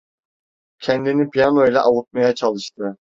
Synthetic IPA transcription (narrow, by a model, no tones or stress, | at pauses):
cʰɛnd̪inipʰijanojlʲɛʔawut̪̚majat͡ʃʰalˠɯʃt̪ʰɯ